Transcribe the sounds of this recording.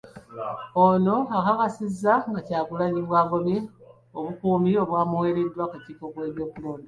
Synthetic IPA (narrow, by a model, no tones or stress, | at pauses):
ono̞akakasizːaŋɡacaːɡulaɲiβwaːɡoβe | oβukuːmio̞βwaːmuwe̞ːɾedːwakecikoβwe̞ːβjo̞ːkuloːnda